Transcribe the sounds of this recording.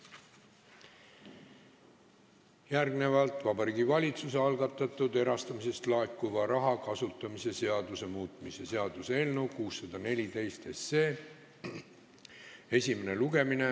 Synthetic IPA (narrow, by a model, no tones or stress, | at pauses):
jærɡne̞vɑlt̪ˑvɑbɑɾiːɡivɑlʲit̪suseɑlɡɑt̪ːˑɑt̪ːˑud̪e̞ɾɑst̪ɑmise̞st̪lɑekːˑuvɑɾɑɦɑkɑsut̪ːˑɑmise̞se̞ɑd̪use̞muːt̪ˑmise̞se̞ɑd̪̥usee̞lnukuːsːɑd̪̥ɑne̞lʲit̪e̞jst̪e̞sːeː | e̞sʲime̞ne̞luɡe̞mine̞